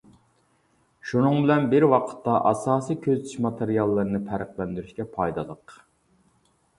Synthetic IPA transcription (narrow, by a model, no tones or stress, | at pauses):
ʃunɨŋbɪlɛnbɪɾwɑqʰə̥t̪ːɑʔɑsɑːsikʲʰøzt̪ʰyʃmɑt̪ʰeɾijɑlˠːɨɾɨnɪpʰæɾəqlˠɛnd̪yɾyʃkʲɛpʰɑjd̪ɑlˠəq